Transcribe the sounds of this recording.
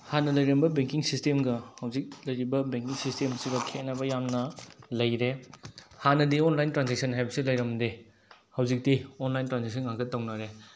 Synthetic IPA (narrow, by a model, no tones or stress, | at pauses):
hanɐlɐjɾɐmbɐbeŋkiŋsistemɡɐhɐwzik̚lɐjɾibɐbeŋkiŋsistemɐsiɡɐkʰet̚nɐbɐjamnɐlɐjɾehanɐdionlajntɾanseksʰɐnɦajbɐsilɐjɾɐmdi | hɐwzik̚tionlajntɾanzeksʰɐnŋakzɐt̚tːɐwnaɾe